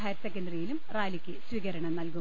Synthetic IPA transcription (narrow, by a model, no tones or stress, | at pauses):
ajɐtsekːɐndrijilumraːlikʲːɨsʋiɣɐɾɐɳɐmnɐlku